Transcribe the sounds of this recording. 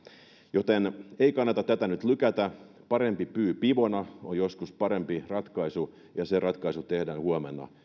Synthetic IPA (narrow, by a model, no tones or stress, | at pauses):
jot̪eneikɑnːɑt̪ɑt̪æt̪ænyt̪lykæt̪æ | pɑɾempipyːpiʋonɑonjoskuspɑɾempirɑt̪kɑisu | jɑserɑt̪kɑisut̪ehdæːnhuomḛnːɑ̰